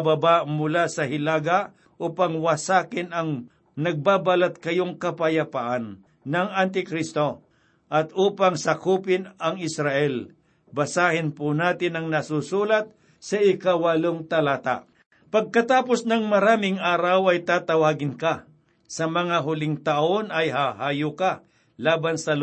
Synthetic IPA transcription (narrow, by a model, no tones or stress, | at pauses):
babaʔmʊlasɐhɪlaːɡaʔ | ʔuːpaŋwɐsaːkɪnɐŋ | nɐɡ̚babalat̪̚kɐjoŋkɐpajapaʔanː | ɐŋant̪̬ɪkɾist̪o̞ | ʔɐt̪uːpaŋsakuːpɪnɐŋɪsɾaʔɛl | bɐsaːhɪnpʊnaːt̪ɪnɐŋnɐsusuːlat̪̚ | sɐɪkawɐloŋt̪ɐlaːt̪a̰ʔ | pɐɡ̚kɐt̪aːposnɐŋmɐɾaːmɪŋaːɾawɐjt̪aːt̪ɐwaːɡɪnka | sɐmɐŋaɦʊlɪŋt̪ɐʔonɐjɦahaːjʊka | laːbansɐl